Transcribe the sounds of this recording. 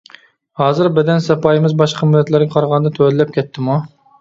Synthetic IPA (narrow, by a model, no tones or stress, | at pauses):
hɑːzɨɾbɛd̪ɛnsɑpɑjimɪzbɑʃqʰɑmylːɛt̪læɾɡʲɛqʰɑɾʁɑnɨd̪ɑt̪ʰølɪlːɛp̚kʲʰɛt̪ʰːɪmu